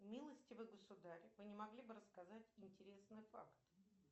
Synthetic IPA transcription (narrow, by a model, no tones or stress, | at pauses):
mʲilˠəsʲtʲɪvɨɡəsʊd̪aɾʲɪvɨnʲɪmɐɡlʲibɨɾəskɐzatʲɪnʲtʲɪɾʲe̞snɨjfa̰kt̪